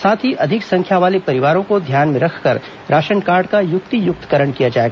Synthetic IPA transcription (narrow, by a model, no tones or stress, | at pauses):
saːt̪ʰɦiʔɐd̪ʱɪksɐ̃ŋkʰjaʋaːlepɐɾɪʋaːɾõkod̪ʱjaːnmẽɾɐkʰkɐɾ | ɾaːʃənkaːɾɖkajʊt̪ijʊk̚t̪kɐɾəɳkijad͡ʒaːeɡaː